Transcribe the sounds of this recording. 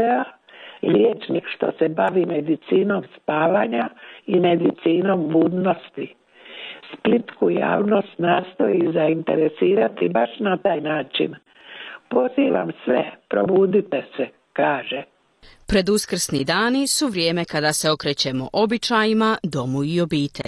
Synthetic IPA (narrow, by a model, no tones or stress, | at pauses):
a | ljeːt͡ʃnikʃt̪o̞̰sebaʋime̞d̪it̪siːno̞mspaːʋaːɲaime̞d̪it̪siːno̞mbuːd̪no̞st̪i | split̪kuja̰ːʋno̞st̪naːst̪o̞izaint̪e̞̰ɾesiːɾat̪ibaʃnat̪aːjnaːt͡ʃḭn | po̞ziːʋa̰msʋḛpɾo̞̰buːd̪it̪ese | kaːʒe | pɾe̞d̪uskr̩snid̪aːnisuʋɾjeːme̞kad̪ase̞o̞kɾe̞ːt͡ɕe̞mo̞̰ʔo̞bit͡ʃajimad̪o̞muio̞biːt̪ʰḛʎʲ